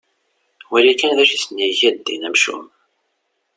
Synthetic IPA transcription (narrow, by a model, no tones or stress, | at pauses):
wæɾikænðæʃisənjiçæd̪ːḭnæmʃṵm